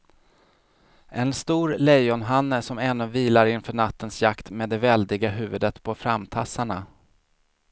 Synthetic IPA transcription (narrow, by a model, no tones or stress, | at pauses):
ʔɛnst̪uːɾlɛjɔnɦanːəsɔmɛnːɵviːlaɾɪnfœːɳat̪ːənsjakt̪meːd̪ɛvɛld̪ɪɡaɦʉ̟ːvɵd̪ət̪pʰɔfɾamt̪ʰasːaɳa